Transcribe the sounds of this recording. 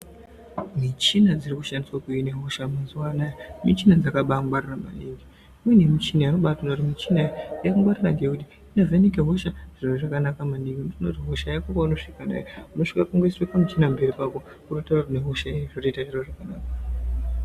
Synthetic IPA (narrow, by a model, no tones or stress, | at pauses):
mit͡ʃinad͡ziɾikuʃandiswakuineɦoʃamazuwanajamit͡ʃinad͡zakaɓaŋɡwarirama̰ɗiŋɡi | mwinemit͡ʃinajino̞ɓatanautimit͡ʃinajakuŋɡwaɾiraŋɡeekuti | inevenekeɦoʃaʐ̥iroʐakanakamaniɡintinotiɦoʃajakokauno̞ʂikana̰jouno̞ʂikapaŋɡoiswepamit͡ʃinambe̞ɾipako | kunotaratineɦuʃaiʐotoitaʐiroʐakanaːka